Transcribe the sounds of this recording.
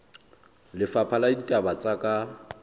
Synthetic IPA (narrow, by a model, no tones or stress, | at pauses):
lɪfapʰaladitʼabat͡sʼakʼa